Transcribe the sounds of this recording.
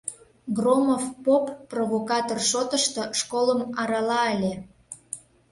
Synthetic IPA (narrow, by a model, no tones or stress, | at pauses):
ɡromofpopprovokɑt̪orʃot̪əʃt̪ŏʃkoləmɑɾɑlɑəlʲe